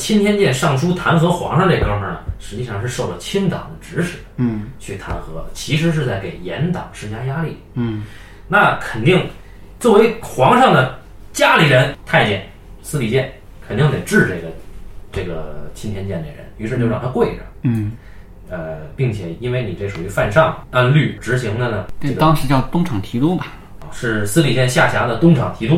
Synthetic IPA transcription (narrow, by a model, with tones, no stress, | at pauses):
t͡ɕʰi˥nt̪ʰjɛ˥nt͡ɕjɛ˥˧nʂɑ˥˩ŋʂʰu˥t̪ʰa˧˥nxɤ˧˥xwɑ̰˧˥ŋʂɑ˥˧ʈ͡ʂe˥˩ə˩kɑ˥ŋʂə˥˩nə̰˩ʂɻ̩˧˥t͡ɕi˥˧ʂɑ˥˧ŋʂ̬ɻ̩˥˧ʂo˥˩ʊlə˩t͡ɕʰi˥nt̪ɑ̰˨˩ŋd̪ə˦ʈ͡ʂɻ̩˧˥ʂɻ̩˨˩˦t͡ɕʰy˥˩t̪ʰa˧˥nxɤ˧˥t͡ɕʰi˧˥ʂ̬ɻ̩˧˥ʂ̬ɻ̩˥˧t͡sa˥˩ɪke˨˩ɪjɛ̰˧˥nt̪ɑ̰˨˩˦ŋʂɻ̩˥˧t͡ɕja˥ja˥li˥˩ | na˥˩kʰə˨˩nt̪i˥˩ŋ | t͡swɔ˥˩we˧˥ɪxwɑ˧˥ŋʂɑ˥˩ŋd̪ə˩ | t͡ɕja˥li˨˩ɻə˧˥nt̪ʰa˥˧ɪt͡ɕjɛ˥˩n | sɹ̩˥li˨˩t͡ɕjɛ˥˩n | kʰnt̪i˥˩ŋt̪e˨˩ɪʈ͡ʂɻ̩˥˧ʈ͡ʂɤ˥˩ɡə˩ʈ͡ʂɤ˥˩ɡə̰˩t͡ɕʰi˥nt̪ʰɛ˧˥nt͡ɕjɛ˥˩nd̪ə̰˩ɻə̰˧˥ny˧˥ʂɻ̩˥˧t͡ɕjɻɑ˥˩t̪ʰa˥kwe˥˩ɪʈ͡ʂə̰˩ | ə˧pi˥˩ŋt͡ɕʰjɛ˨˩i˥nwe˥˩ɪni˨˩ʈ͡ʂe˥˩ʂu˨˩y˧˥fa˥˧nʂɑ˥˩ŋa˥nly˥˩ʈ͡ʂɻ̩˧˥ɕi˧˥ŋd̪ə˧nə˩ʈ͡ʂɤ˩˥˩ɡ̪ɑ˥ŋʂɻ̩˧˥t͡ɕjɑ˥˩ʊt̪ʊ˥ŋʈ͡ʂʰɑ˨˩ŋt̪ʰi˧˥t̪u˥bɐ˨˩ | ʂɻ̩˥˩sɹ̩˥li˨˩t͡ɕjɛ˥˧nɕja˥˩ɕja˧˥d̪ə˨t̪ʊ˥ŋʈ͡ʂʰɑ˨˩ŋt̪ʰi˧˥t̪u˥